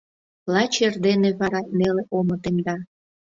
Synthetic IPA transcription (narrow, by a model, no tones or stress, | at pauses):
lɑt͡ɕerd̪eneβɑɾɑneleʔomə̆t̪emd̪ɑ